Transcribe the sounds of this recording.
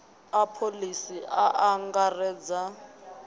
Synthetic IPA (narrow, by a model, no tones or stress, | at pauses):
apʰolisiʔaʔaŋɡarɛːd͡za